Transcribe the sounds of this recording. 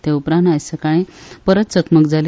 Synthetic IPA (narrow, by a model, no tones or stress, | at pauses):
t̪eupɾãnajsəkaɽ̃ẽpəɾət̪̚t͡səkməkd͡zal